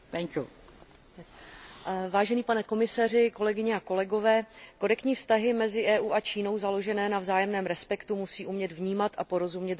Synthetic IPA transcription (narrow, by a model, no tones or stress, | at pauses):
pɛɲku | ɛ | vaːʒɛniːpanɛko̞mɪsar̝ɪko̞lɛɡɪɲɛako̞lɛɡo̞vɛːko̞ɾɛkt̪ɲiːfst̪aɦɪmɛzɪʔɛːʔuːʔat͡ʃiːno̞wzalo̞ʒɛnɛːnavzaːjɛmnɛːmɾɛspɛkt̪umusiːʔumɲɛd̪vɲiːmat̪ʔapo̞ɾo̞zumɲɛt̪